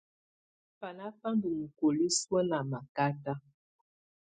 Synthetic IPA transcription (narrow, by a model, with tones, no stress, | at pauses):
pa˨la˦pa˦n˦du˨ŋ̩˨ko˨li˦swə˦la˨ma˨ka˦ta˦